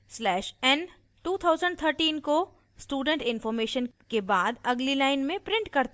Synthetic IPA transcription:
slɛːʃɛn | ʈuːt̪ʰaːʊzə̃ɳɖt̪ʰəɾʈiːnko | sʈuːɖə̃ɳʈɪnfɔːɾmeːʃənkebaːd̪ɐɡlilaːɪnmẽpɾɪ̃ɳʈkɐɾt̪

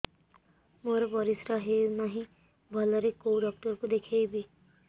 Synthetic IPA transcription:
moːɾabɔɾɪsɾaɦenaɦĩ | bʱʌləɾekowɖɔːk̚ʈəɾkod̪ekʰeibʱiː

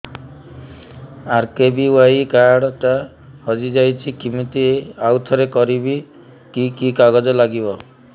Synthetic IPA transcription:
aɾkebiwajkaɽɔʈa | hɔd͡ʒid͡ʒajt͡ʃʰikimit̪ieawt̪ʰɔɾekɔɾibi | kikikaɡɔd͡ʒɔlaɡibɔ

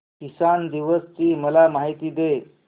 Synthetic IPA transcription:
kisand̪iʋəst͡ɕiːməlamaɦit̪iːd̪e

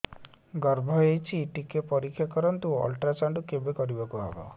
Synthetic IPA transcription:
ɡɔɾbʱɔejt͡ʃʰiʈikepɔɾikʰːjakɔɾɔnt̪uɔ̰lʈɾat͡ʃaɳɖukebekɔɾibakuɦa̰bɔ̰

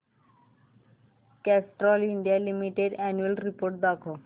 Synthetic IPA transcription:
kɛsʈɾɔliɳɖijalimiʈeɖɛnuelɾipoɾʈ̚d̪akʰo

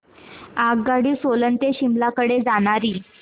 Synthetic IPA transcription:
aɡɡaɽiːsolənt̪eɕimlakəɽed͡zaɽ̃aɾiː

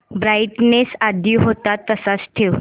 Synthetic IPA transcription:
bɾajʈnesad̪iɦot̪at̪ːəsat͡sʈʰeʋ

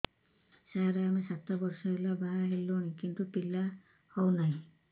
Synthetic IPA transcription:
saɾaamesat̪abɔɾsɔɦelabaɦaɦelːoñikint̪upilːa | hɔwnaɦĩ

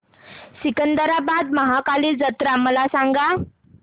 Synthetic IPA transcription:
sikənd̪əɾabad̪məɦakalid͡zət̪ɾaməlasaŋɡa

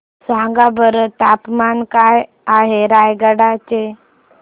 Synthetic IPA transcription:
sãŋɡabəɾət̪apmankaj | aɦeɾajɡəɽat͡ɕe

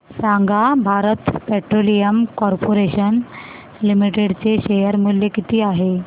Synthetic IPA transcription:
sãŋɡʱabʱaɾət̪peʈɾolijəmkɔɾpoɾeɕən | limiʈeɽt͡seɕejəɾmuljekit̪ʰiːaɦe

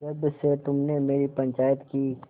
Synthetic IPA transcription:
ɐbset̪ʊmnemeːɾipɐ̃ɲt͡ʃaːjət̪kiː

